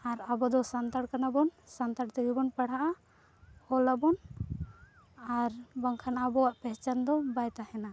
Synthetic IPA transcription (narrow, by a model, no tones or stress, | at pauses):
aɾabɔd̪ɔsant̪aɽkanabɔnsant̪aɽt̪əɡibɔnpaɽ̤aʔa | hɔlabɔn | aɾbɔŋkʰanaabɔwaʔpɛɦt͡ʃand̪ɔbajt̪ahɛna